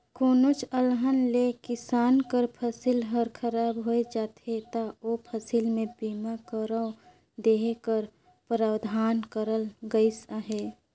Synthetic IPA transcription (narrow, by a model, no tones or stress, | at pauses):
koːnot͡ʃəlɦənlekɪsaːnkəɾpʰəsilɦəɾkʰəɾaːbɦoed͡ʒaːt̪ʰet̪aopʰəsilmẽbiːmakəɾə̃ | d̪eːɦekəɾ | pɾaːwd̪ʱaːnkəɾəlɡəisaɦeː